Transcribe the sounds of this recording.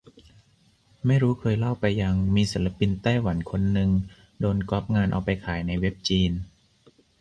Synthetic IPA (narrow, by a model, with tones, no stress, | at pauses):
ma˥˩jɾuː˦˥kʰɤː˧jla˥˩wpa˧jːa˧ŋmiː˧si˩˦la˧pi˧nt̪aː˥˩jwa˩˦nkʰo˧nːɯ˧ŋ | doː˧nkɔ˦˥p̚ŋaː˧nʔa̰˧wpa˧jkʰaː˩˦jna˧jwe˦˥p̚t͡ɕiː˧n